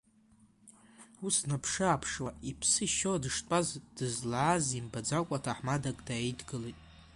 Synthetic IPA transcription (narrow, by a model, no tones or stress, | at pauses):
usnapʰʂɨapʰʂwaʔipʰsɨʃodɨʂtʼazd̥ɨzlaʕazimbad͡zakʷʼatʰaħmadakʼdaejdɡɨlitʼ